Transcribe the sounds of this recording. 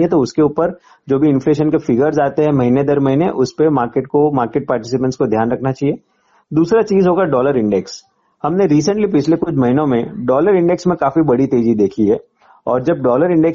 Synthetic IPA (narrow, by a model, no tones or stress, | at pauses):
iɛt̪oʊskeuːpəɾ | d͡ʒoːbʱiɪ̃nfleːʃənkefɪɡəɾzaːt̪eɦɛ̃mɐɦined̪ɐɾmɐɦineʔʊspemaːɾkeːʈ̚komaːɾkeːʈ̚paːɾʈɪsɪpə̃nskod̪ʱjaːnɾɐkʰnat͡ʃaːɦieː | d̪uːsɾat͡ʃiːzɦoːɡaɖɔːləɾɪ̃ɳɖɛks | hɐmneɾiːs̬ə̃ɳʈlipɪt͡ʃʰlekʊt͡ʃʰmɐɦɪnõmẽɖɔːləɾɪ̃ɳɖɛksmẽkaːfibɐɽit̪eːd͡ʒid̪eːkʰiɦɛː | ɔ̰ːɾd͡ʒɐb̚ɖɔːləɾɪ̃ɳɖɛk